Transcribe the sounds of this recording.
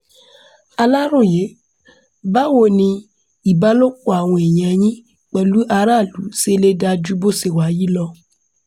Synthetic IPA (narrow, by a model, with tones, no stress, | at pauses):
a˧la˦ɾõ˦˨je˨˦ | ba˦wo˦˨nĩ˧ | i˨ba˦lo˦k͡po˦˨a˨w̃ɔ̃˧e˨j̃ã˧j̃ĩ˦ | k͡pɛ˨lu˨˦ʔa˧ɾa˦˨lu˨˦se˦le˦da˧d͡ʒu˦bo˦se˨wa˨˦ji˦lɔ˧